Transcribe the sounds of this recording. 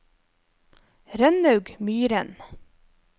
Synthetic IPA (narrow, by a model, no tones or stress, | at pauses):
ɾœnœʉɡmyːɾən